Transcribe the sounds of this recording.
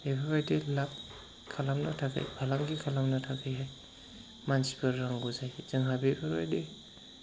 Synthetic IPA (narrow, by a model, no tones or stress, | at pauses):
ebʱabajdelap̚ | kʰalamna̰tʰaka̰jbʱalaŋɡikʰalamnatʰakʰɯjɦaj | mansi̥pɯɾːaŋɡuzajz̥ɯŋɦabebʱabajde